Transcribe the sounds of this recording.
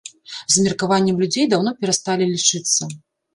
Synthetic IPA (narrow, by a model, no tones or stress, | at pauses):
zmʲirkavanʲːɛmlʲud͡zʲejd̪awnɔpʲɛɾast̪alʲilʲit͡ʂɨt̪sːɐ